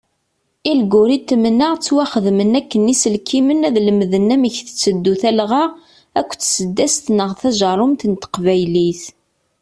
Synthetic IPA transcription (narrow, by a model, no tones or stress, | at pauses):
ilɡʊɾit̪ːmənːəʁt͡sːwæχəðmənækːənisəlkʰːimənæðlməðənːæməçθə̥t͡sːəd̪ːuθælʁɑʁ | ækʷːt͡ssəd̪ːæst̪nəʁθæʒɑɾˤʊmt̪ənt̪ə̥qvæjliθ